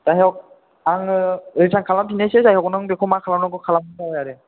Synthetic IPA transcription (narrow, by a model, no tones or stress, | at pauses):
z̥aɦɔk̚ | aŋɯɯjsʰaŋkʰalampʰinesesajɦɔknɯŋbekʰɔmakʰalanɯɡɯkʰalamɯdaɯjaɾɯ